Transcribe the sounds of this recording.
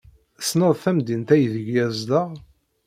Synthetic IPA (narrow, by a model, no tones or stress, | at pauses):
snəðˤθæmd̪int̪æjðəʝjæzd̪əʁ